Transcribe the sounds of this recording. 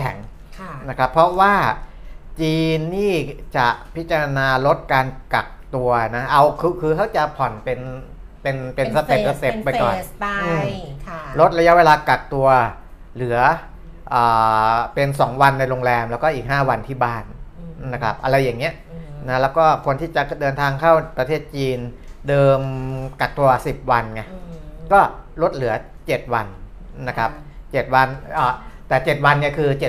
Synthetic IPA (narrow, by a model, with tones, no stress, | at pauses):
kʰɛ̰˩˦ŋ | na˦˥kʰɾa˦˥pʰːɾɔ˦˥waː˥˩ | t͡ɕiː˧nːiː˥˩t͡ɕa̰˨˩pʰi˦˥t̪̚t͡ɕa˧ɾa˧naː˧ɾo˦˥t̪̚kaː˧nka̰˨˩k̚t̪u˧ɐna˦˥ʔa˧wkʰɯː˧kʰɯː˧kʰa˦˥˩wt͡ɕa˨˩pʰɔ˨˩npe˧n | pe˧npe˧nsa˧t̪e˨˩p̚sa˧t̪e˨˧ppːa˧jkɔ̰ː˨˩ʔɯː˧mʰɾo˦˥t̪̚ɾa˧ja˦˥we˧laː˧ka˨˩k̚t̪u˧ɐ | lɯ˩˦ɐ | ʔɤː˨˩pe˧nsɔː˩˦ŋwa˧nːa˧jɾoː˧ŋlɛː˧mlɛ˦˥wkɔː˥˩ʔiː˨˩k̚haː˥˩wa˧nt̪ʰiː˥˩baː˥˩nna˦˥kʰɾa˦˥p̚ʔa˧ɾa˧jːa˨˩ŋːi˦˥ɐʔna˦˥lɛː˦˥wkɔː˥˩kʰo˧ənt̪ʰiː˥˩t͡ɕa˨˩dɤː˧nt̪ʰaː˧ŋkʰa˥˩wpɾa˧eː˥˩t̪̚t͡ɕiː˧ndɤː˧mka˨˩k̚t̪u˧ɐsi˨˩p̚wa˧nŋa˧˩kɔː˥˩ɾo˦˥t̪̚lɯ˩˦ɐt͡ɕe˨˩t̪̚wa˧nː | a˦˥kʰɾa˦˥p̚t͡ɕe˨˩t̪̚wa˧nʔaː˨˩t̪ɛː˨˩t͡ɕe˨˩t̪̚wa˧nːi˥˩kʰɯː˧t͡ɕe˨˩